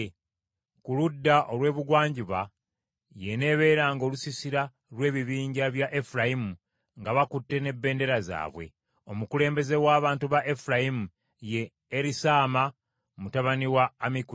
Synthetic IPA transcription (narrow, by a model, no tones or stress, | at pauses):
kuludːaʔo̞lwe̞ːβuɡwaːɲɟiβa | jene̞βe̞ːɾaːŋɡo̞ːlusisiɾa | lwe̞ːβiβiːɲɟaβjaʔe̞fuɾajimu | ŋɡaβakutːe̞ne̞bːe̞ːnde̞ɾaza̰ːβwe̞̰ | o̞mukule̞ːmbe̞ze̞waːβaːntuβaʔefuɾajimu | je̞ː | ɾisaːma | mutaβaniwaːmiku